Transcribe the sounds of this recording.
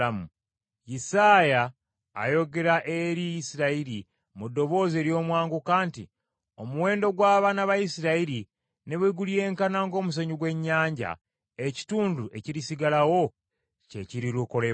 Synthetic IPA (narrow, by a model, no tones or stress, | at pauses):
amu | jisaːja̰ː | jo̞ɡe̞ɾaʔe̞ɾijisiɾaiɾi | mudːo̞βo̞ːze̞ːɾjo̞ːmwaːŋɡukaːnti | o̞muwe̞ːndo̞ɡwaːβanaβajisiɾaiɾi | ne̞βweɡulieːŋkanaːŋɡo̞ːmus̬oɲuɡwe̞ɲːaːɲɟa̰ | eci̥tuːnduʔe̞ciɾisiɡalawo̞ | ce̞̰ciɾiluko̞le